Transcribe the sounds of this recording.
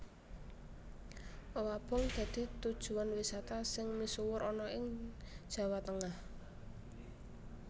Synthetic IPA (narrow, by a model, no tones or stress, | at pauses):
ʔowab̥ɔ̤ŋd̪̥ä̤d̪̥i̤t̪ud̥ʒ̥ṳwanwisat̪asɪŋmisuwʊɾʔɔnɔʔɪŋ̥ʒ̥ä̤wat̪əŋah